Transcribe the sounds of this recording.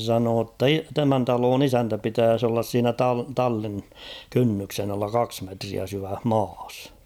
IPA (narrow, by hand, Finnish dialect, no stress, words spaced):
sɑnoː tːɑ i tæmæn tɑloːn isæntæ pitæːs olːɑs siːnæ tɑ tɑlːin kynːyksen ɑlːɑ kɑks metriæ syʋæh mɑːs